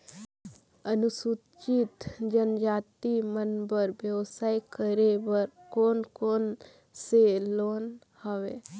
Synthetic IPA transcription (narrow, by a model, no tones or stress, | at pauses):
ənʊsu | t͡ʃit̪d͡ʒənd͡ʒaːt̪imənbəɾbjəwsaːjkəɾebəɾkoːnkoːn | seloːn | həʋeː